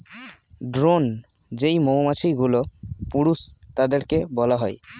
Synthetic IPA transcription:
ɖɾon | d͡ʑejmomat͡ɕʰiɡulopuɽus | t̪ad̪eɾkebɔlaɦɔe

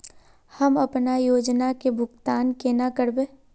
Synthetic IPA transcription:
hɐmɐpnajoːd͡ʒnakebʱʊɡt̪aːnkenakəɾbeː

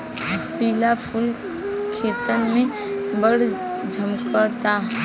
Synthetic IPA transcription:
bʱpiːlapʰʊl | kʰeːt̪ənmẽ | bəɽd͡ʒʱəmkət̪aɦ

